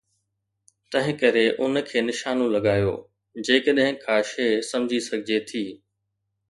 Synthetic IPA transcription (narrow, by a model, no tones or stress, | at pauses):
t̪ɐ̃ɦɪ̃kɐɾeʔʊnkʰeːnɪʃaːnõlɐɡaːjo̰ː | d͡ʑeːkəɗɦɪ̃kʰãːʃeːsɐ̃md͡ʑʱisɐɡʱɪd͡ʑet̪ʰiː